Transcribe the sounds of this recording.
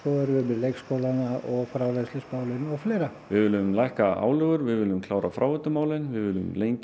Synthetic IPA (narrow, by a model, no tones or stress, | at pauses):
koðʏɾʏmɪðlejkskowlanaʔɔɣfɾaːwlaslɪsmaːwlɪnɔɣfleːjɾavɪðvɪːlːʏmlajhkaʔa̰ːwlʏːɣʏɾvɪðvɪːlːʏmkʰlaːwɾafɾaːwvʏt̪ʏmaːwlɪnvɪðvɪːlʏmleːjɲc